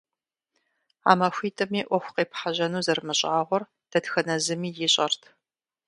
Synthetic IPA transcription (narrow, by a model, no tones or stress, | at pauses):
a̰ːmɐxʷiːtʰʼɐmiːʔʷɔxʷqeːpħaʑɐnuːzɐrmɨɕʼaːʁʷɔr | d̥ɐtxɐnɐzɨmiːjɪɕʼɐrtʰ